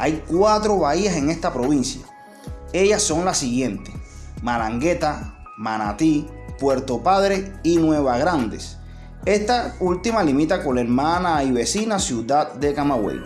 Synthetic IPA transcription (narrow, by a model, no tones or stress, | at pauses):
ajkwat̪ɾo̞βaiase̞ŋe̞st̪apɾo̞βinsja̰ | e̞ʝasːo̞ŋlasiɣje̞nt̪emalaŋɡe̞t̪a | mana̰t̪i | pwe̞ɾt̪o̞paðɾe̞inwe̞βaɣɾand̪e̞s | e̞st̪ault̪imalimĩt̪akonle̞ɾmãnaiβe̞sinasjuðad̪̚d̪e̞kamawḛl